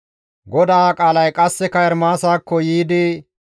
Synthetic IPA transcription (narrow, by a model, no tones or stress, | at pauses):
ɡɔd̪aːkʼaːlɐjkʼɐsːɛkɐɛɾmaːsaːkːɔjiːd̪ɪ